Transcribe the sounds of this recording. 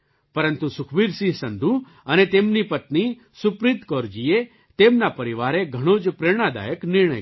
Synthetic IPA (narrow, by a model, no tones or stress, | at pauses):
pɐɾə̃nt̪usʊkʰbiɾsiɦsɐ̃nd̪ʱu | ɐnet̪eːmnipɐt̪ni | sʊpɾit̪kɔɾd͡ʒie | t̪eːmnapɐɾiʋaːɾeɡʱɐɽ̃oːd͡ʒpɾeɽ̃ad̪a̰ːjəknɪɾɳ̃ə̰j